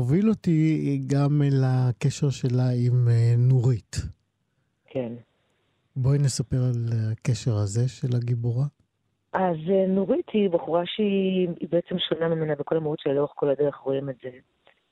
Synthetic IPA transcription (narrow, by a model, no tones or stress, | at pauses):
ovilotiɡamelakeʃeʁʃe̞laimnoʁit | kʰe̞n | bojnesape̞ʁalakeʃeʁhaze̞ʃelaɡiboʁa | ʔazenuʁitibaχuʁaʃeiibeet͡semʃonamimenabeko̞lamautt͡ʃeloeχko̞lad̪eʁeχʁoimeze